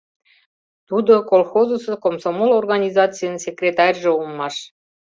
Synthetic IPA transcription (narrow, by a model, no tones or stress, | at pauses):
t̪ud̪okolˠxozosekomsomolorɣɑnʲizɑt͡sɨjənsʲekrʲet̪ɑrʲʒĕulmɑʃ